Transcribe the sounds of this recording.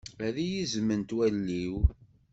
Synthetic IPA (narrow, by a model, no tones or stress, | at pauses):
æðijizmːənt̪wælːiw